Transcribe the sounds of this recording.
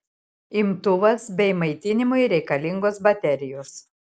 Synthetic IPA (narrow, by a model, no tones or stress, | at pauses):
ɪmt̪ʊʋɐsbʲɛɪmɐɪt̪ʲɪnʲɪmʊɪɾʲɛɪkɐlʲɪŋɡoːsbɐt̪ʲɛɾʲɪjoːs